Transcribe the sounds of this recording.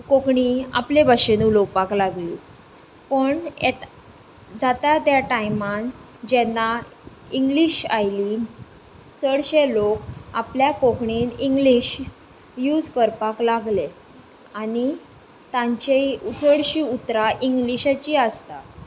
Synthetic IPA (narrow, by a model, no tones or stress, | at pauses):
kokɳia̰plebʱaɕenulowpaklaɡlḭː | pəɳet̪ | d͡zat̪at̪jaʈajman | d͡ʑɛnːa | iŋɡliɕajli | t͡səɽɕelokapljakokɳiniŋɡliɕ | jud͡zkəɾpaklaɡle | ani | t̪ãɲt͡ɕet͡səɽɕiut̪ɾaʔiŋɡliɕat͡ɕiəst̪a